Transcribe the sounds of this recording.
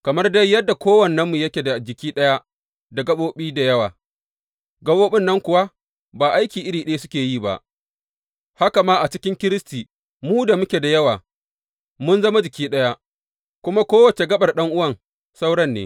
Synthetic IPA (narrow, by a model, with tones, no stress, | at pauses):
kɐ˨mɐ˦rda˦jːɐ˦dːa˨kʷoː˦wɐ˨nːɐ˦mːu˨jɐ˦kʲe˨da˨d͡ʒɪ˨kʲiː˦ɗɐ˦ja˦ | da˨ɡɐ˦ɓoː˦ɓiː˦da˨jɐ˦wa̰ː˨ | ɡɐ˦boː˦ɓɪ˦nːɐ˦ŋkʷʊ˨wa˦ | baː˨ʔa˦jkʲiː˨ʔɪ˦ɽiː˨ɗe˦sʊ˦kʲeː˨jiː˦˨ba̰˦˨ʔ | ha˦ka˨maː˦ʔa˨t͡ʃɪ˦kʲɪ˦ŋkʲɪ˦ɾɪ˦stiː˨ | muː˦da˨mʊ˦kʲe˨da˨jɐ˦waː˨ | mʊ˦nzɐ˦ma˦d͡ʒɪ˨kʲiː˦ɗɐ˦ja˦ | kʷʊ˦ma˦kʷoː˦wɐ˨t͡ʃe˨ɡɐ˦ɓɐ˨rɗɐ˦ŋʔʊ˦wɐ˦˨ŋ | sa˦wɽɐ˦nːḛː˦